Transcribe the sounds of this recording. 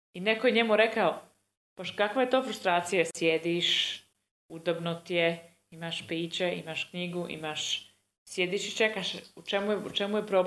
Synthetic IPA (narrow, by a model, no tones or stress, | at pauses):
inekojeɲe̞muɾe̞kao | b̥oʃkakʋajet̪o̞ːfɾust̪ɾaːt̪sijasjed̪iʃ | ud̪abnot̪ije | imaʃpiːt͡ɕeḭmaʃkɲiɡuʔḭmaʃ | sjed̪iʃit͡ʃekaʃut͡ʃemujeut͡ʃemujepɾob